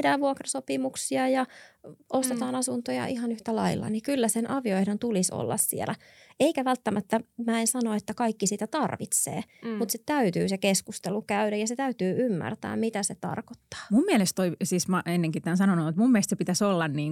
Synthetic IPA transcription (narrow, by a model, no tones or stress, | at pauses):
hdæːʋʋuokrɑsopimuksiɑjɑ | ost̪et̪ɑːnɑsunt̪ojɑ̰ʔihɑnyht̪ælɑilːɑ̰nikylːæsenʔɑʋioehdent̪uliso̰lːɑ̰ssḭḛlæ | eikæʋælt̪ːæmæt̪ːæmæːensɑnoet̪ːækɑikːisiːt̪æt̪ɑrʋit̪sḛːmut̪set̪æyt̪yːsekeskust̪elukæyɾæjɑset̪æyt̪yːʔymːæ̰rt̪æ̰ːmmit̪æset̪ɑ̰rkot̪ːɑ̥ːmumːiɛlest̪toisiːsmɑenːeŋkit̪ænsɑnonoːet̪mumːielest̪sepit̪æsolːɑnniːŋ